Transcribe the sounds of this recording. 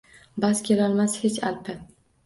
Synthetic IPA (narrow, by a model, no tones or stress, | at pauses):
bazkʲe̞lalˠmashet͡ʃalpʰɪ